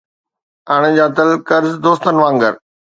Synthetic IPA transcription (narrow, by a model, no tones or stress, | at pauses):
aːɽ̃ed͡ʑaːt̪əlkəɾzd̪oːst̪ənʋãːŋɡə̰ɾ